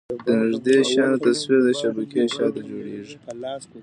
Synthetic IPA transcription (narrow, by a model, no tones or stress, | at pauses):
d̪̥ənɪʐd̪eʃɑnt̪aswiɾd̪əʃabakeʃɑt̪ad͡ʒoɽeʐi